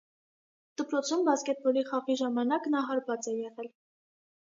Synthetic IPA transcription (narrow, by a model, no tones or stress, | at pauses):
d̪̥əpɾɔt͡sʰumvɑskɛt̪̚bɔliχɑʁiʒɑmɑnɑknɑɦɑɾvɑt͡sɛjɛʁɛl